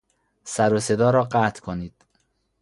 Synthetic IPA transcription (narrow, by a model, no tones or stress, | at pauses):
sæɾose̞d̪ɒːɾɒːɢæːt̪ʰkʰoniːd̪̥